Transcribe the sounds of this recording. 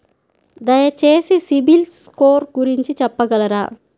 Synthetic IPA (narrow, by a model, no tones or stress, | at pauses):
d̪ɐjɐt͡ʃeːsisibilskoːɾɡuɾiɲt͡ʃit͡ʃɛpːɐɡɐlɐɾaː